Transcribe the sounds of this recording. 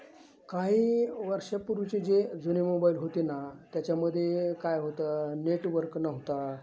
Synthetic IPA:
kaɦiːʋəɾʂəpuɾut͡ɕed͡ʑed͡zunemobailɦot̪enat̪jat͡ɕjaməd̪ʱːjekajɦot̪əneʈʋəɾknəɦt̪a

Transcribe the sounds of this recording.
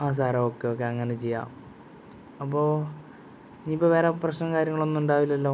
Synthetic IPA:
aːs̬aːɾɐoːkːeok̬ːeɐŋːɐnet͡ɕejːa̰ː | ɐpːo̞ː | niːipːoʋeːɾaprɐɕnɐkaːɾʲjɐŋːɐɭo̞nːuɳɖaːʋilːɐlːoː

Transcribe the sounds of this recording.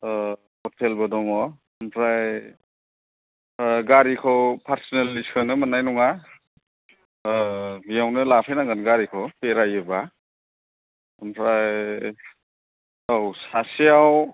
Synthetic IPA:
hɔtʰelbɯdɔŋɔ | mpʰɾaj | ɡaɾikʰɔpʰaɾsnelːisanɯmanajnɔŋa | bijawnɯlapʰajnaŋɡɯnɡaɾikʰɔpeɾajɯba | ampʰɾaj | awsasiaw

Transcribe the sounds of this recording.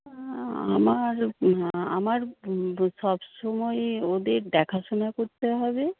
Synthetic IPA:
a̰maɾ | a̰maɾʃɔbʃɔmɔeod̪eɾdɖɛkʰaʃonakoɾt̪eɦɔbe

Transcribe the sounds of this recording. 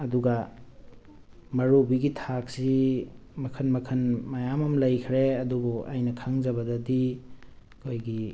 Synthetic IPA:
ɐduɡɐ | mɐɾubiɡitʰak̚simɐkʰɐnmɐkʰɐnmɐjamɐmlɐjkʰɾeɐdubuʔa̰jnɐkʰaŋzɐbɐdɐdi | kʰojɡi

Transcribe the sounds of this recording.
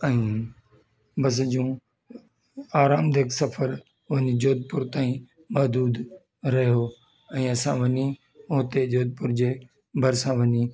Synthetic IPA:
ɛ̃ĩː | bɐs̬d͡ʑũː | aːɾaːmd̪ʱeːksɐfʰəɾ | ʋɐɲid͡ʑoːd̪̚pʊɾt̪aːĩ | mɐɦd̪uːd̪ | ɾɐɦijo | ɛ̃ːɐsãʋɐɲi | oːt̪ed͡ʑoːd̪̚pʊɾd͡ʑeː | bʱɐɾsãʋɐɲiː

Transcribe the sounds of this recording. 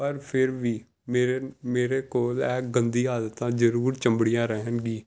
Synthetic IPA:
pəɾpʰɪɾʋiː | meːɾemeːɾekoːlɛːkɡə̃nd̪iːaːd̪ət̪ãːd͡ʒəɾuːɾt͡ʃə̃mbɽijãːɾəɦənɡiː

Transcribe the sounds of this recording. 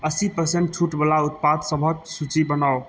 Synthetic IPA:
əsipəɾseɳʈ̚t͡ʃʰuʈbəlaut̪̚pad̪səbʱək̚sut͡ʃibənao

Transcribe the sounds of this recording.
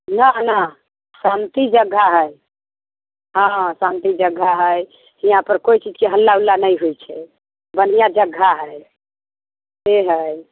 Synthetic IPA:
nanə | sant̪id͡ʒəɡʱːaɦəj | ɦãsãnt̪id͡ʒəɡʱːaɦəj | hijãpəɾkoit͡ʃid͡ʒkeɦəlːaulːanəjɦujt͡ʃʰɛ | bən̤ijad͡ʒəɡʱːaɦəj | seɦəj

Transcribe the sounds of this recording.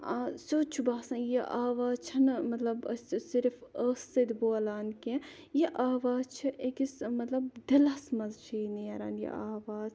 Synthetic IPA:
asoːt͡ʃʰubaːsɐ̃njiʔaːʋaːzt͡ʃʰɐnmɐt̪lɐbɐ̰ssiɾfɐːsːɐd̪boːɐlaːnkẽ | jiʔaːʋaːzt͡ʃʰɨʔekismɐt̪lɐbd̪ɐlɐsmɐzt͡ʃʰiːnijɐɾɐ̰ːnjḭaːʋaːz

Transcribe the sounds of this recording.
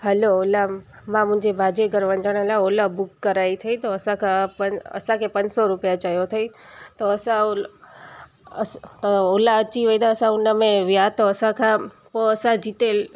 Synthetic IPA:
ɦəloːla | mãmʊ̃ɪ̃ɲd͡ʒebʱad͡ʒeɡəɾʋə̃nd͡ʒəɽ̃elaolabʊkːəɾait̪ʰəit̪oəsãkʰãpəə̰sãkʰepə̃ɲd͡ʒsoɾupijat͡ʃajot̪ʰəit̪oəsão | t̪olaət͡ʃiʋəid̪aəsãʊnəmẽʋijat̪oəsãkʰã | põəsãd͡ʒit̪el

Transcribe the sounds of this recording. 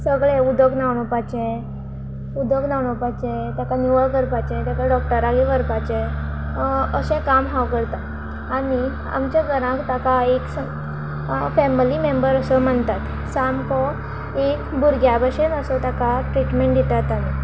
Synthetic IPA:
səɡɭẽud̪əɡnawɳɔpat͡ɕɛ̃ | ud̪əɡnaʋɳɔpat͡ɕɛ̃t̪jakanuʋəɭkəɾpat͡ɕɛ̃t̪jakaɖɔk̚ʈəɾaɡiʋəɾpat͡ɕẽ | əɕɛ̃kamɦawkəɽt̪a | ani | a̰mt͡ɕjaɡəɾãkt̪akaeks | fɛmilimembəɾəsɔm̤əɳt̪at̪ | samkɔ | ekbuɾɡjabəɕenəsɔt̪akaʈɾiʈmẽɳʈd̪it̪at̪ale

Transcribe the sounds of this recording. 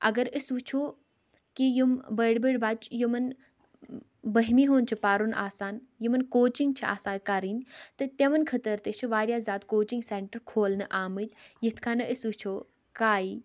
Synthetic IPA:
ɐɡəɾɨsʋut͡ʃʰo | kijumbəɽbəɽbaːt͡ʃʰjumɐn | bəɦmiɦoːnt͡ʃʰipaːɾunʔa̰ːsaːnjumɐnkoːt͡ʃiŋɡ̚t͡ʃʰia̰ːsaːnkaɾinʲt̪ɨt̪ɐʋɐnkʰɐt̪əɾt̪ət͡ʃʰuʋaːɾjaːzaːd̪koːt͡ʃiŋɡseːɳʈəɾkʰoːlnɨʔaːmɨd͡ʒ̪ʲjit̪ʰkʰaːnɨʔɨsʋut͡ʃʰoː | kaːiː

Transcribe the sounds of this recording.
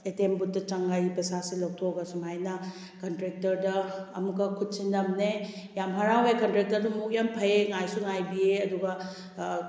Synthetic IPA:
etembut̚ːɐt͡ʃaŋɡajpɐsasilɐw̚tʰoɡɐsumajnɐ | kɐntɾek̚tɐɾdɐ̰ːmukːɐkʰut̚sindɐmne | jamɦɐɾawajkɐntɾek̚tɐɾdɐmuk̚jampʰɐjeŋajsuŋajbieɐduɡɐ

